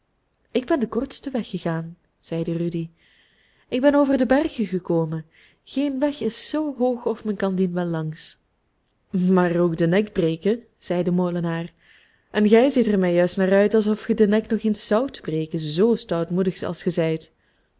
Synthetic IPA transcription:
ɪɡ̚bɛndəkɔrtstəʋɛxːəɣaːn | z̥ɛjdərydi | ɪɡ̚bɛnoːvərdəbɛrɣəɣəkoːmən | ɣ̥eːnʋɛxɪsːoːɦoːxɔfmɛnkɑndinʋɛlˠːɑŋs | maːroːɡdənɛɡbreːkə | z̥ɛjdəmolənaːr | ʔɛnɣɛjzɪtəɹmɛjœɥstnaːrœɥtɑlˠsɔfxədənɛknɔχensːʌwtbreːkənzoːstɑwtmudəxsɑ̰lˠsχəzɛjt

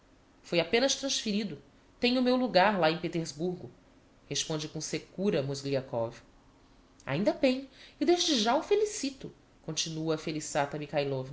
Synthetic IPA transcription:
fojapẽnɐʃt̪ɾɐ̃ʃfiɾid̪ʊ | t̪ẽjɲʊmewluɡaɾlaẽj̃pet̪eɾzbuɾɡʊ | heʃpõnd͡ʒɪkõsekuɾɐmozɡliakɔv | a̰ĩnd̪ɐbẽj̃ɪd̪eʒd͡ʒɪʒaufelisit̪ʊ | kõt͡ʃinuɐfelisat̪ɐmikajlɔvn

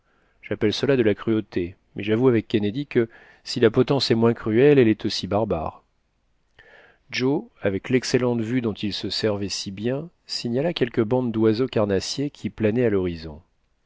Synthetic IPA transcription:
ʒ̥apɛlsəlad̪əlakχyot̪e | mɛʒavuavɛkːened̪ikə | silapɔt̪ɑ̃sɛmwɛ̃kχyɛlɛlɛt̪ʰosibaʁba̰ːʁ | ʒoavɛklɛkselɑ̃t̪vyd̪ɔ̃t̪ilsəsɛʁvɛsibjɛ̃ | siɲalakʲɛlkəbɑ̃d̪d̪wazokaʁnasjekʲʰiplanɛalɔʁizɔ̰̃

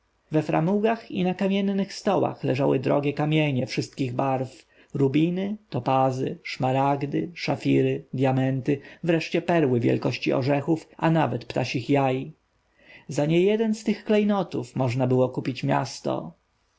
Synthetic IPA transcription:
vɛfɾa̰muɡaxinakamʲjɛnːɘxst̪ɔwa̰xlɛʐawɘ̰d̪ɾɔ̰ɡʲɛkamʲjɛɲɛfʂɘst̪kʲiɣbaɾf | ɾubʲinɘt̪ɔpazɘ̰ʂmaɾaɡd̪ɘʂafʲiɾɘd̪ʲjamɛnt̪ɘvɾɛʂt͡ɕɛpɛɾwɘvʲjɛ̰lkɔɕt͡ɕiɔ̰ʐɛxufʔanavɛt̪pt̪a̰ɕixjaji | zaɲɛjɛd̪ɛnst̪ɘxklɛjnɔt̪ufmɔʐnabɘwɔkupʲit͡ɕmʲja̰st̪ɔ̰

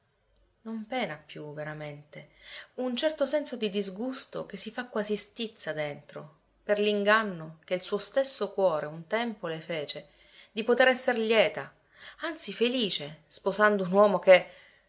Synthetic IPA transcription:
nompɛːnapːjuveɾament̪eunt͡ʃɛrt̪osɛnsod̪id̪izɡust̪o̰kesːifakːwaːzist̪it̪sːad̪ent̪ɾo | perliŋɡanːok̟eilsuːost̪esːokwɔːɾʔeunt̪ɛmpolefeːt͡ʃe | d̪ipot̪eɾɛsːerljɛːt̪a | ant̪sifeliːt͡ʃespozand̪ounwɔːmok̟e

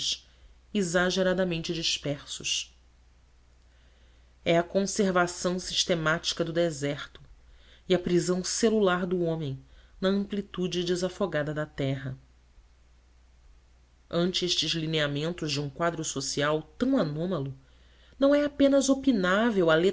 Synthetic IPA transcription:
ʃ | ezaʒeɾad̪ɐmẽnt͡ʃɪd͡ʒiʃpɛχsʊʃ | ɛɐkõseɾvasɐ̃w̃si̥ʃt̪emat͡ʃi̥kɐd̪ʊd̪ezɛχt̪ʊiɐpɾizɐ̃w̃selulaɾd̪ʊõmẽj̃nɐɐ̃mplit̪ud͡ʒɪd͡ʒɪzafoɡad̪ɐd̪ɐt̪ɛɦɐ | ɐ̃nt͡ʃɪeʃt͡ʃɪzlineamẽnt̪ʊzd͡ʒɪũkwad̪ɾʊsosiawt̪ɐ̃w̃anõmɐlʊ | nɐ̃w̃ɛapẽnɐzopinavewɐle

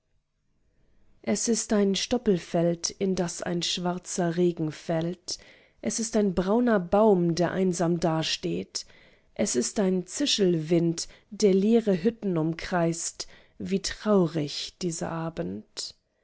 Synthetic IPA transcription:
ʔɛsɪstaɪnʃtɔpl̩fɛltɪndasa̰ɪnʃv̥aɐt͡sɐʁeːɡŋ̩fɛlt | ʔɛsɪstaɪnbʁaʊnɐbaʊmdeːɐʔa̰ɪnzaːmdaːɐʃteːt | ʔɛsɪstaɪnt͡sɪʃl̩vɪnt | d̥eːɐleːʁəɦʏtn̩ʊmkʁ̥aɪst | viːtʁ̥aʊʁɪçd̥iːzɐ̰ʔaːbn̩t

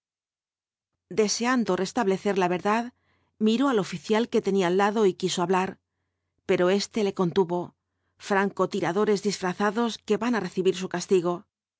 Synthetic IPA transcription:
d̪e̞se̞and̪o̞re̞st̪aβle̞θe̞ɾlaβe̞ɾðað | miɾo̞alo̞fiθjalke̞t̪e̞nialːaðo̞ikiso̞aβlaɾ | pe̞ɾo̞e̞st̪e̞le̞ko̞nt̪uβo̞ | fɾaŋko̞t̪iɾaðo̞ɾe̞zðisfɾaθaðo̞ske̞βanare̞θiβiɾsukast̪iɣ̞o̞

